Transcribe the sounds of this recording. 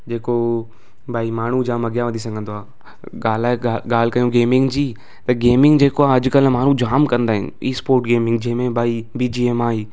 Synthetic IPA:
d͡ʑeːko | bʱaːimaːɳ̤ud͡ʑaːmɐɡjaʋə̃nd̪is̬ɐ̃ɡʱə̃nd̪oaː | aːlaːeaɡaːl̤kɐjũɡeːmɪ̃ŋɡd͡ʑiː | t̪ɐɡeːmɪ̃ŋɡd͡ʑeːkoaːɐd͡ʑʊkɐlmaːɳ̤ũd͡ʑaːmkɐ̃nd̪aːɦɪ̰niːspoːɾʈɡeːmɪ̃ŋɡ̚d͡ʑɐ̃ɦmẽbʱaːibiːd͡ʑiːemaːiː

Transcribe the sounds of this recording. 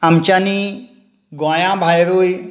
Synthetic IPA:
ɐmt͡ʃani | ɡwãːjãːbʱaːjɾuːj

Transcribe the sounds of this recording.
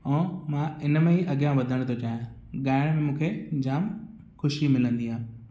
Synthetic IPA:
ɛ̃ːmãɪnmẽiʔɐɠijãʋɐd̪ʱəɽ̃t̪ʰot͡ɕaːɦjã | ɠaːɪɽ̃mẽmũːkʰed͡ʑaːm | xʊʃimɪlə̃nd̪iãː

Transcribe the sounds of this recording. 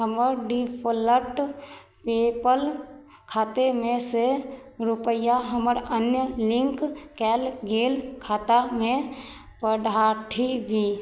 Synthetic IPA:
ɦəməɾɖipʰələʈ | peːpəl | kʰaːt̪emẽseɾʊpəjaɦəməɾənjəlɪ̃ŋkkɛːlɡeːlkʰaːt̪amẽ | pəɽʱaːʈʰibʱiː

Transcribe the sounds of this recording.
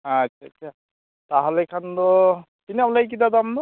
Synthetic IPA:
atʃʰaːtːʰa | taɦɔlekʰandɔ | kiniamlaɡik̬id̪ad̪amnɔ

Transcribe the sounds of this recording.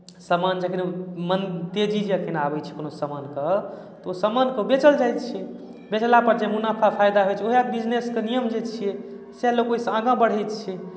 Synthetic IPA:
səmand͡ʒekʰinmənt̪ed͡ʒid͡ʒeəkʰinabɛt͡ʃʰi̥konosəmankə | t̪ɔosəmankeobet͡ʃəld͡ʒajt̪t͡ʃʰiɛ | bet͡ʃlapəɾd͡ʒemunapʰapʰajd̪aɦot͡ʃʰioɦiat̪̚bid͡ʒneskenijəmd͡ʒet͡ʃʰiɛ | selokoɦisãɡãbəɽ̤ɛjt̪t͡ʃʰiɛ

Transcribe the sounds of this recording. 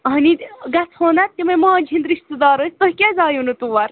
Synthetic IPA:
niɡɐt͡sʰhoːnɐt̪̚kimɐmãːd͡ʒʱind̪ɾiʃt̪ud̪ɑːɾosʲt̪ohkʲezaːjunut̪uʋɐɾ

